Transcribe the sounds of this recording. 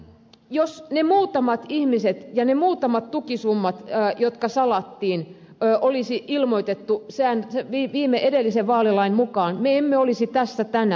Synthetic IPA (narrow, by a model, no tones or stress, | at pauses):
josnemuːt̪ɑmɑt̪ihmiset̪jɑnemuːt̪ɑmɑt̪t̪ukisumːɑt̪ːjot̪kɑsɑlɑt̪ːiːnː | ʔolisiʔilmoit̪et̪ːusænseʋiːʋiːmeʔedelːiseʋʋɑːlilɑinmukɑːnmeemːeolisit̪æsːæt̪ænæ